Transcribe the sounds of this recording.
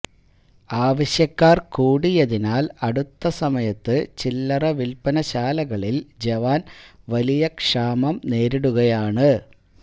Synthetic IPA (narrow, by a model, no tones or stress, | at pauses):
aːʋɐɕjɐkːaːrkuːɽijɐðinaːlɐɽut̪ːɐsɐmɐjɐt̪ːɨt͡ɕilːɐrɐʋilpɐnɐɕaːlɐɣɐɭild͡ʑeʋaːn | ʋɐlijɐkʂaːmɐmne̞ːɾiɽuɣɐjaːɳɨ